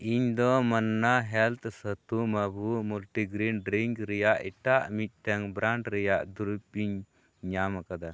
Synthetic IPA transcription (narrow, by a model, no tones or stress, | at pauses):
iɲd̪ɔmənːaɦɛlt̪ʰsət̪uməbʱumulʈiɡɾinɖɾiŋkɾɛjaʔɛʈaʔmic̪̚ˀʈɛŋbɾaɳɖɾɛjaʔd̪uɾpiɲ | ɲamakad̪a